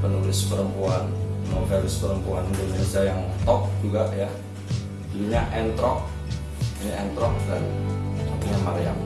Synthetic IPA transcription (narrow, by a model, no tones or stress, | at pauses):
pənulɪspəɾəmpuanmofelɪspəɾəmpuandimensajaŋṵt̪ɔk̚d͡ʒuɡaʔja | dluɲaʔɛnt̪ɾɔʔ̚ | iniɛnt̪ɾɔk̚danmak̪iɲamaɾja̰m